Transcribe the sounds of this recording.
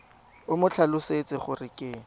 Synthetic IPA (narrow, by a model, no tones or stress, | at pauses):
ʊmʊt͡ɬʰalʊset͡sɪχʊrɪkʼɪ